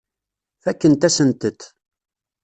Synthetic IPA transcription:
fækːənt̪æsənt̪ət̪

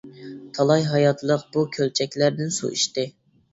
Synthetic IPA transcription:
t̪ʰɑlˠɑjɦɑjɑt̪ʰlˠəqbukʲʰølt͡ʃʰɛkʲlæɾd̪ɪnsṵʔḭʃt̪ɪ

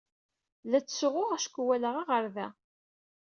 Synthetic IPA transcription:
læt͡sːsʁʊʁæʃkʷːwæləʁiʁəɾðæ

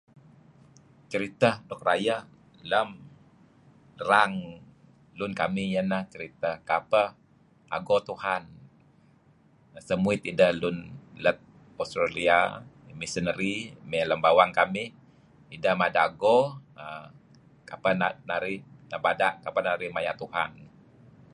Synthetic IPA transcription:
t͡ʃəɾit̪ədɔk̚rajə | ləm | raŋ | lʊnkamijənaht͡ʃəɾit̪əkapə | ʔa̰ɡot̪uhan | səmuɪt̪idəhlʊnlət̪̚ | ɔst̪ɾalia̰ | misənəɾimɛləmbawaŋkamɪh | idəhmadaɡɔə | kapənanaɾɪhnabadaʔkapənaɾɪhmajaʔt̪uha̰n

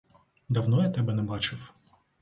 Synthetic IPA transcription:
d̪ɐwnɔjat̪ɛbɛnɛbɑt͡ʃɪw

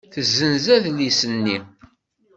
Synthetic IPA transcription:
θəzːənzæðlisənːi

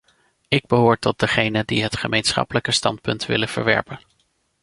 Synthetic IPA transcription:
ɪɡ̚bəɦʊːɹtɔt̚dəχejnəndiɦətχəmejnsχɑ̰pələkəstɑ̰ntpɵntʋɪ̰lənv̥ə̰ɹʋɛ̰ɹpən

